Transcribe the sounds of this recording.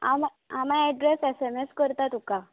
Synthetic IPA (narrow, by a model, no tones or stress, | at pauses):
a̰m | amãɛɖɾesɛsɛmeskəɾt̪at̪uka